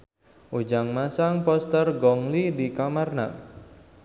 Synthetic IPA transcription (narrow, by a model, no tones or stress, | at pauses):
ʔud͡ʒaŋmasaŋpɔst̪ərɡɔŋlidikamarna̰